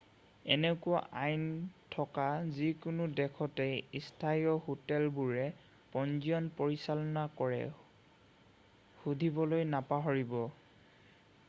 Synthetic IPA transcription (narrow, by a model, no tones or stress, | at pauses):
ɛnekʊwa̰ʔajntʰɔkazikʊnʊdɛkʰɔtɛistʰajɔhotɛlbuɹɛ | pɔnziɔnpoɹisalɔnakɔɹɛ̰ | hudʱibɔlojnapaɦɔɹibɔ